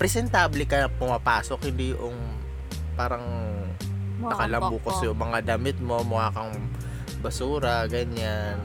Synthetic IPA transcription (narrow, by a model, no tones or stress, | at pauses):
pɾɛsɛnt̪aːblɪkɐpʊmɐpaːsokhɪnd̪iːʔʊŋ | paːɾɐŋ | nɐkɐlɐmbuːkosjʊŋmɐŋad̪ɐmɪt̪̚mo̞mʊaːkɐŋ | bɐsuːɾɐɡɐɲan